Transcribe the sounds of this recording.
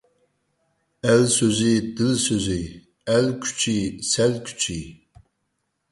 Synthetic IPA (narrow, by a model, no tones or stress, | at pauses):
ælsoziːd̪ɨlsøzij | ælkʷʰt͡ʃʰiːsælkʷʰt͡ʃʰiː